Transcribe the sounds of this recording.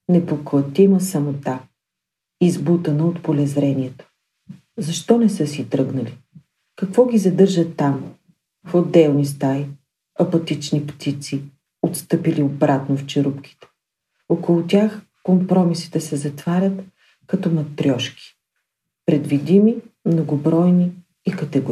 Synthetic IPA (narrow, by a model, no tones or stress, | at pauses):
nɛpoklˠɐt̪imɐsɐmot̪a | izbut̪ənəot̪polɛzɾɛnʲiɛt̪o̥ | zɐʃt̪ɔnɛsɤsit̪ɾɤɡnəli | kɐkv̥ɔɡʲizɐd̪ɤɾʒət̪ːam | fod̪ːɛlˠnist̪ai | ɐpɐt̪it͡ʃnipt̪it̪si | ot̪st̪ɤpiliobɾat̪noft͡ʃɛɾupkʲi̥t̪ɛ̥ | okolˠut̪ʲjax | kompɾɔmisi̥t̪ɛsɛzɐt̪vaɾʲət̪ | kɐt̪ɔmɐt̪ːɾʲɔʃki̥ | pɾɛd̪vid̪imimnoɡobɾɔjni | ikət̪ɛɡʊ